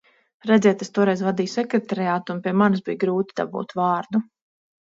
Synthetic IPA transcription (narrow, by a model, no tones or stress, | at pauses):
ɾɛd̪zʲɛɛt̪est̪uɔɾɛjzvad̪iːjusɛkɾet̪aɾiaːt̪unpiɛmansbijɡɾuːt̪id̪a̰bṵːt̪vaːɾd̪u